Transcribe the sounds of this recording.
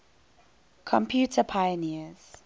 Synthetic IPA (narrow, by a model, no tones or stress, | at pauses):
kʰɔ̃mpʰjuːtʰəpʰajəniəz̥